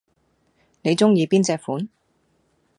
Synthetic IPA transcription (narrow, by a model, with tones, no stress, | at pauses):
ne˨˧jt͡sʊ˥ŋjiː˨˧piː˥nt͡sɛː˧k̚fuː˨˥n